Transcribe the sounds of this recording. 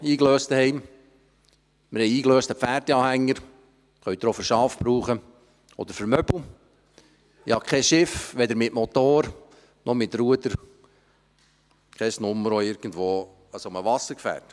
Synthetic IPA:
iːkløːstəhɛɪm | məɾhɛjiːkløːstəfæːɾdɛɑːhæŋːəɾ | χœɥt̪ɾɔfəɾʃɑːfb̥ɾuːχə | ɔ̰d̪əɾfəɾmœb̥l̩ | ɪhɑkʰɛʃɪfʋɛd̪əɾmɪtmot̪oːɾ | nɔmɪt̪ɾuəd̪əɾ | kʰɛsnʊmːəɾoɪɾɡ̥ən̩dʋoː | əsoməʋɑsːəɾkfæ̰ːt

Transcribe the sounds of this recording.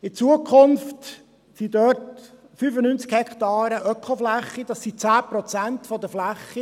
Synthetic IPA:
ɪt͡suəkʰχʊnft | sidœrt | fyfənynt͡skhɛkχtɑːɾəʔœkχoflæχːid̥̪ɑsit͡sæːpɾɔt͡sæntfɔd̪əflæχːi

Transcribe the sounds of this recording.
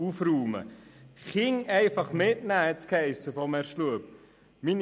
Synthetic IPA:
ufruːmə̰χɪŋɛɪfɑχmɪtnæːɛtt͡skʰɛɪsəfɔmɛːɾʃluəp̚ | min

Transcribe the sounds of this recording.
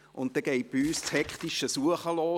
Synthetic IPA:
ʔʊntt̪ːɛɡɛɪt̚b̥iyːst͡shɛkχt̪iʃəsuəχəlɔː

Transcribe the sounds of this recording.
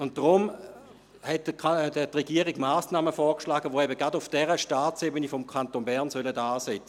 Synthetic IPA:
ʊnt̚d̥ʁʊm | hɛt̚dʰətʁɛɡ̥iəʁiɡmaːsnaːməfɔːkʃlaːɡəʋoːɛbəɡʁadʊfd̥ɛʁəʃtaːt͡sebənifɔmkʰantonbɛʁnsœlədaːsɛt͡sə̥

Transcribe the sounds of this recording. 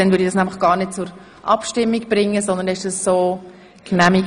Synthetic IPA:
d̥ɛnvʏɾdid̥ɑsnæmlɪχɡ̥ɑːɾnɪt̚t͡sʊɾ | ʔɑpʃtɪmːiɡb̥ɾɪŋːəsɔndəndɛɪʃd̥ɑssoː | knæmiɡ

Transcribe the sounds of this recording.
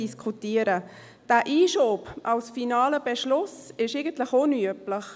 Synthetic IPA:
iskʰutiəɾə | d̥æːʔiːʃoːpʔɑwsfinɑːləb̥ɛʃlʊsɪʃeɪɡəntləχonyəpləχ

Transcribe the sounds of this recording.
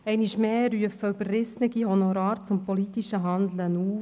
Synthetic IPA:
ɛɪniʃmeːɾyəfəybərːɪsnəɡihɔnɔɾɑːɾt͡sʊmpɔlit̪iʃəɦɑnd̪lənuːf

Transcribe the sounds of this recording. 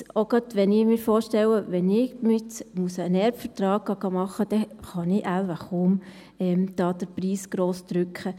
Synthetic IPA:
oɡ̥ɑt̪ʋɛnɪmɪːɾfoːɾʃtɛwəʋɛnɪmɪmuəsəːnɛɾbfəɾtrɑːɡ̚ɡ̥ɑɡ̥ɑmɑχːəd̥̪ɛχɑnɪʔælʋaχʊːm | ɛmd̥ɑːd̥̪əɾpriːsɡ̥ɾoːsd̪̥ɾʏkχə

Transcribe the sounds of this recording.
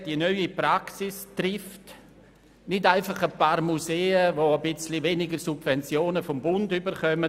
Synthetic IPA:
d̥iənœʏipɾaksistrɪft | nɪdaɪfɑχəpaːɾmuseːəvoəbɪt͡sliveːnɪɡəɾsubvɛnt͡sjoːnəfɔmbʊndybəɾχœmə

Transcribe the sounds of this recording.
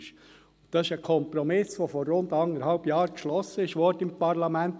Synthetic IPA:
ʃ | ʊntt̪ːɑsɪʃəkʰɔmpɾɔmɪsʋofɔɾːʊnd̪ɑŋəɾhɑlb̥jɑːɾkʃlɔsːəɪʃʋɔɾdəɪmpɑɾlɑmænt

